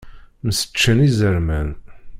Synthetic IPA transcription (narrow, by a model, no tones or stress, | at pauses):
məsə̥t͡ʃːənizəɾmæn